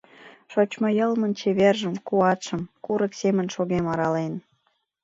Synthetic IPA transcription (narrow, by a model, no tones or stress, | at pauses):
ʃot͡ɕmɑjəlmənt͡ɕeβerʒəmkuɑt̪ʃə̆mkuɾəksemənʃoɣemɑɾɑlen